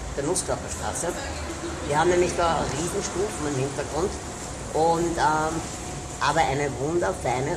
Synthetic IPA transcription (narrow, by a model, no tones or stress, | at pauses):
fd̥əɐnʊskl̩ʊpəɐʃtʁa̰ːsə | viːɐhaːm̩nɛːmlɪçdaːʁiːzn̩ʃpuːlfmɛnmhɪntɐɡ̥ʁʊnt | ʔʊntɛm | ʔaːbɐʔæɪnəvʊndɐfæɪnə